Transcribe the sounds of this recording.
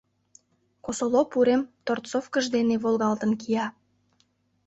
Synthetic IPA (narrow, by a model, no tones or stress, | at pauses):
kosolopuɾemt̪ort̪t͡sofkəʒd̪eneβolˠɣɑlt̪ənkijɑ